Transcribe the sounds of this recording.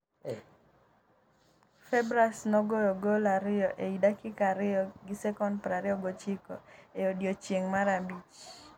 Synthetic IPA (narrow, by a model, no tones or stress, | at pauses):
fɛbɾasnɔɡojɔɡolaɾɪɔʔeidakɪkaɾɪɔɡɪsɛkɔnpɾaɾɪɔɡot͡ʃikɔ̰eodjot͡ʃjeŋmaɾabit͡ʃ